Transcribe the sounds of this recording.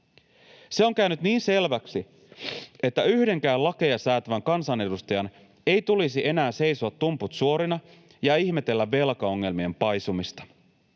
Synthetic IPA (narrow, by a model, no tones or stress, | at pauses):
se̞o̞ŋkæynyt̪niːnse̞lʋæksi | e̞t̪ːæyhde̞ŋkæːlɑkejɑsæːt̪ʋæŋkɑnsɑne̞dust̪ɑjɑn | e̞jt̪ulisiʔe̞næːse̞jsoɑt̪ːumput̪suo̞ɾinɑ | jɑiçme̞t̪e̞lːæʋːe̞lkɑo̞ŋːe̞lmie̞mpɑjsumist̪ɑ̥